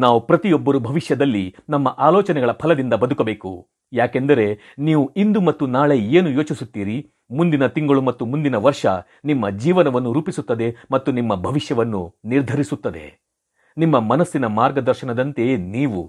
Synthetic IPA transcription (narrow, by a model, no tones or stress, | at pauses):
naːʋupɾɐt̪ijɔbːɐɾubʱɐʋiʂjɐd̪ɐlːinɐmːɐʔaːlɔːt͡ʃɐnɛɡɐɭɐpʰɐlɐd̪ind̪ɐbɐd̪ukɐbe̞ːku | jaːkend̪ɐɾe̞ | niːʋuind̪umɐt̪ːunaːɭe̞eːnujo̞ːt͡ʃisut̪ːiːɾi | mund̪inɐt̪iŋɡɐɭumɐt̪ːumund̪inɐʋɐɾʂɐ | nimːɐd͡ʒiːʋɐnɐʋɐnːuɾuːpisut̪ːɐd̪e̞mɐt̪ːunimːɐbʱɐʋiʂjɐʋɐnːuniɾd̪ʱɐɾisut̪ːɐd̪e̞̰ | nimːɐmɐnɐsːinɐmaːɾɡɐd̪ɐɾʃɐnɐd̪ɐnt̪e̞niːʋṵ